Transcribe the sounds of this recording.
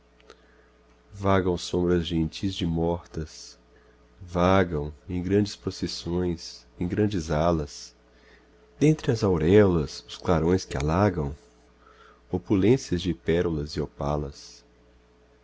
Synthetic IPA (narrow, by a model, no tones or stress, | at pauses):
vaɡɐ̃w̃sõmbɾɐzʒẽnt͡ʃizd͡ʒɪmɔɾt̪ɐs | vaɡɐ̃w̃ẽj̃ɡɾɐ̃nd͡ʒɪspɾosesõj̃s | ẽj̃ɡɾɐ̃nd͡ʒɪzalɐs | d̪̥ẽnt̪ɾɪɐzawɾɛlɐsʊsklaɾõj̃skɪa̰laɡɐ̃w̃ | opulẽsiɐzd͡ʒɪpɛɾulɐzɪopa̰lɐs